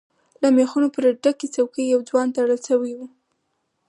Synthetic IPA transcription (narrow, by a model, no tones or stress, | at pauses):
lamexunopəɾaɖaket͡sawkəjjawd͡zwɑnt̪aɽəlsawijwu